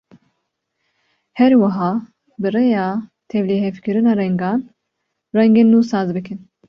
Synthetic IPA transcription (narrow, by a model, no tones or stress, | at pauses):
hɛɾwɨɦɑː | bɨrejɑːt̪ʰɛvlehɛfkʰɨɾɨnɑːrɛŋɡɑːn | rɛŋɡeːnːuːsɑːzbɨkʰɨn